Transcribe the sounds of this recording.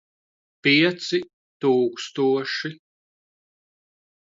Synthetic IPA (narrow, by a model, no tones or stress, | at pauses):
piɛt̪si | t̪uːkst̪uɔʃi